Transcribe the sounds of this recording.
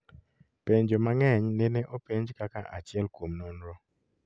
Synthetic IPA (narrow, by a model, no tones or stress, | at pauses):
peɲd͡ʒomaŋɛɲneneʔopeɲd͡ʒkakaʔat͡ʃɪɛlkwomnɔnɾɔ